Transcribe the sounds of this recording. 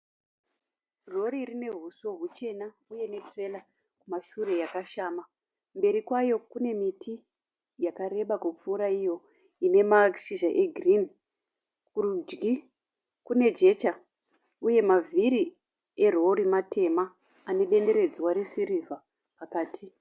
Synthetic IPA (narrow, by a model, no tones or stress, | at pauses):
ro̞ɾirine̞ɦuso̞ɦut͡ʃe̞na | uje̞ne̞tre̞la | kumaʃure̞jakaʃaːma | mbe̞ɾikwajo̞kune̞mitʰi | jakaɾe̞ɓakup͡fuɾaijo̞ | ine̞maʃiʒaʔe̞ɡʱrin | kurud͡ʒɡi | kune̞d͡ʒe̞t͡ʃa | uje̞mavʱiɾi | e̞ro̞ɾimatʰe̞maː | ne̞ɗe̞nde̞ɾe̞d͡zwaɾesiɾivʱa | pakaːtʰi